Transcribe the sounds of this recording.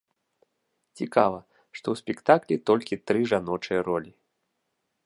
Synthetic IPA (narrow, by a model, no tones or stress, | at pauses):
t͡sʲikavɐ | ʂt̪ɔwsʲpʲɛkt̪aklʲit̪ɔlʲkʲit̪ɾɨʐanɔt͡ʂɨjɐɾɔlʲi